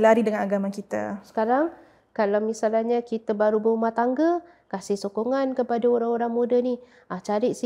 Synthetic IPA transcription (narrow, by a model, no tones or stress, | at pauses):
laɾidəŋanaɡamakit̪a̰sə̥kaɾaŋ | kalawmisalahɲakit̪abaɾubəumaht̪aŋɡə | kasɪhsokoŋankəpadaoɾaŋoɾaŋmudani | ʔat͡ʃaɾɪt̪̚si